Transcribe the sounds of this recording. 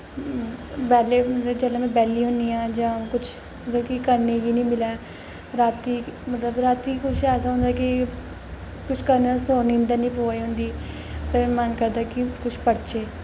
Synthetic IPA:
bɛːleːmət̪ləbd͡ʒɛːlãːmɛ̃ːbɛːliːɦʊ̃nd̪iːãːd͡ʒãːkʊt͡ʃʰ | t̪əkikəɾneːɡiːnĩːmɪlaː | ɾaːt̪iːmət̪ləbɾaːt̪iːkʰʊʃɛːsaːɦʊ̃nd̪aːkɪ | kʊt͡ʃʰkəɾneːsoːnĩnd̪anĩːpoːaiːɦʊ̃nd̪iː | pəɾmənkəɾd̪aːkɪkʊt͡ʃʰpəɽt͡ʃeː

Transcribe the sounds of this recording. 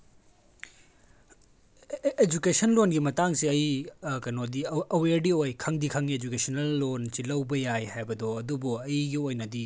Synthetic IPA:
ed͡ʒukesɐnlonɡimɐtaŋsiɐjkɐnodiɐweɾɖiojkʰɐŋdikʰɐŋied͡ʒukesɐnɐlːonsilɐwbɐjajhajbɐdɔɐdubuɐjɡiojnɐdi

